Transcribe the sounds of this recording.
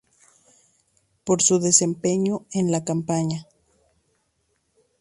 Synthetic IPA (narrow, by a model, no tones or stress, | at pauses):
po̞ɾsuðe̞se̞mpe̞ɲoenlakampaɲa